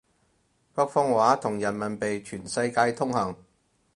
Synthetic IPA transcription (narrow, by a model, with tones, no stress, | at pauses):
pɐ˥k̚fɔː˥ŋwaː˨˥t̪ʰʊ˨˩ŋjɐ˨˩nmɐ˨˩npe˨jt͡ʃʰyː˨˩nsɐ˧jkaː˧jt̪ʰʊ˥ŋhɐ˨˩ŋ